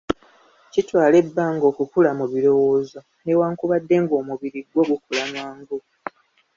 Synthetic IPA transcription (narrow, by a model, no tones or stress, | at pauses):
citwaːle̞bːaŋɡo̞ːkukulamuβiɾo̞wo̞ːzo̞ | ne̞waːŋkuβadːe̞ŋɡo̞ːmuβiɾiɡwoɡukulanwaːŋɡo